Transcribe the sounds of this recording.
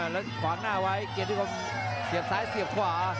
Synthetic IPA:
lɛː˦˥kʰwaː˨˦naː˥˩wa˦˥jke˨˩t̪̚ʰːka˧˩m | si˨˩əp̚saː˦˥jsi˨˩əp̚kʰwaː˩˦

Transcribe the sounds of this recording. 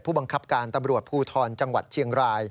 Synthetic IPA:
t̚ʰuː˥˩ba˧ŋkʰa˦˥p̚kaː˧nt̪a˧mɾu˨˩ət̪̚pʰuː˥˩t̪ʰɔː˧nt͡ɕa˧ŋwa˨˩t̪̚t͡ɕʰi˧əŋɾaː˧j

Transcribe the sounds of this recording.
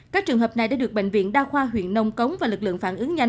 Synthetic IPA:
kaː˦˥k̚t͡ɕɨ˨˩əŋɦəː˨˩p̚na˨˩jɗaː˧˥ɗk̚ɓḛ˧˨jŋ̟vḭ˧˨ənɗaː˧xwaː˧ɦwḭ˧˨ənːə˧wŋ͡mkə˨˦wŋ͡mvaː˨˩lɨ˨˩k̚lɨ̰˧˨əŋfaː˧˩nʔɨ˨˦əŋɲa˧

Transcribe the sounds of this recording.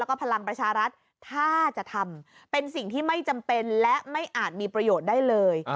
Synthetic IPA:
ɛ˦˥kɔː˥˩pʰa˧la˧ŋpɾa˧t͡ɕʰaː˧ɾa˦˥t̪̚ʰː | aː˥˩t͡ɕa˨˩ʔt̪ʰa˧m | pe˧nsi˨˩ŋt̪ʰiː˥˩ma˥˩jt͡ɕa˧mpe˧nlɛ˦˥ma˥˩jʔaː˨˩t̪̚miː˧pɾa˧joː˨˩t̪̚daː˥˩jlɤː˧j

